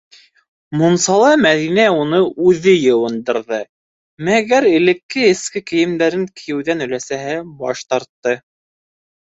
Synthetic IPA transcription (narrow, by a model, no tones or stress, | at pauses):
munsɑlˠɑmæðinæunɤʔʉðɘjɤ̆wɤ̆nd̪ɤ̆ɾðɤ | mæɡæɾɘ̆lɘ̆kːɘɘ̆skɘkɘ̆jɘ̆md̪æɾɘŋkʰĭjɘ̆wðænɵ̆læsæɦɘbɑ̰ʃt̪ɑɾt̪ːɤ